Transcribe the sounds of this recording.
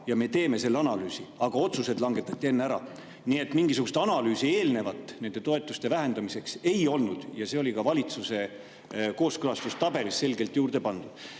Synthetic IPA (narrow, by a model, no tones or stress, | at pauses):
jɑme̞t̪e̞ːme̞se̞lːeɑnɑlyːsiɑɡ̥ɑo̞t̪suse̞d̪lɑŋɡe̞t̪ːˑɑt̪ʲːˑie̞nːeæɾɑ̰ | nie̞t̪ːmiŋɡ̥isukɡust̪ɑnɑlyːsie̞ːlne̞vɑt̪ːˑne̞nd̪̥e̞t̪o̞e̞t̪ːˑust̪e̞væɦe̞nd̪̥ɑmise̞kse̞jo̞lnud̪̥jɑse̞o̞lʲikɑvɑlʲit̪suse̞ | ko̞ːskɯlɑst̪ust̪ɑbe̞ɾisːe̞lɡe̞lt̪ːˑjuːɾd̪̥e̞pɑnd̪ud̥